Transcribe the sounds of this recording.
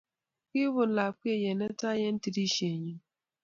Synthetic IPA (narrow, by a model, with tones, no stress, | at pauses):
kɪ˦wʊ˨la˨k͡pi˦e˦˨je˨ne˦ta˦je˦n̩˦ti˨di˦ʃe˨ɲi˦